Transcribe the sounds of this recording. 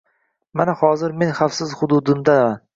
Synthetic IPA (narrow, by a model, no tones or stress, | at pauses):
manahɒzɪɾme̞nχafsɪzhʊd̪ʊd̪ɪmd̪aan